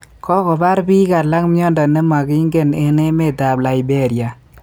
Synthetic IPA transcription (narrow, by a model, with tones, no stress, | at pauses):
kɔ˦kɔ˨ba˦ɾbi˦ka˨la˦kmjɔ˦ndɔ˨ne˦ma˨ɡi˦ŋɡe˦˨ne˨ne˦me˦˨ta˨bla˨i˨be˦˨ɾja˨